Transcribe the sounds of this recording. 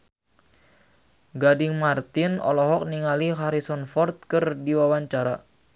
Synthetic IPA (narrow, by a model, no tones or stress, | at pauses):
ɡadɪŋmart̪ɪnɔ̰lɔɦɔk̚niŋaliɦaɾisɔnfɔrt̪̚kɨrdiwawaɲt͡ʃaɾa